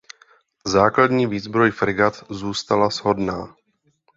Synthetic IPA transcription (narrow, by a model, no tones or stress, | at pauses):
zaːkladɲiːviːzbɾo̞jfɾɪɡat̪zuːst̪alazɦo̞dnaː